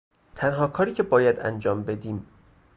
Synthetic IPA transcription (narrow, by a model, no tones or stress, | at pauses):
t̪ʰænɦɒːkʰɒːɾiːcʰe̞bɒːjæd̪æ̰nd͡ʒɒːmbe̞d̪iːm